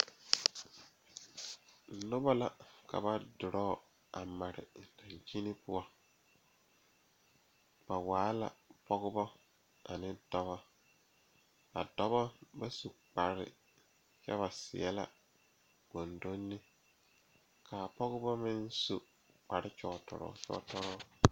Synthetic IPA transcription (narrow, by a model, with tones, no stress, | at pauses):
nʊ˦ba˦la˨ka̰˨ba˦dʊ˨ɾɔː˦˨ | a˨ma˨ɾɪ̰˨da˨ɲt͡ʃi˦nɪ˦pʊ˦a˦ | b̥a˨waː˨˦la̰˨pɔ˦ɣʊ˦bɔ˦ | a˨nɪ˦dɔ˦bɔ˦ | ba̰˨dɔ˦bɔ˦ba˦su˨k͡pa˨ɾɪ̰˦ | t͡ʃɛ̰˦βa˨sɪ̰˨ɛ˦la̰˦ | b̥o˨ndo˦nːɪ˦ | kʰaː˨pɔ˦ɣʊ˦bɔ˦mɪ˦n˦su˦ | k͡pa˨ɾɪ˦t͡ʃɔ˨tɔ̰˨ɾɔ̰˨t͡ʃɔ̰˦tɔ˦ɾɔ˦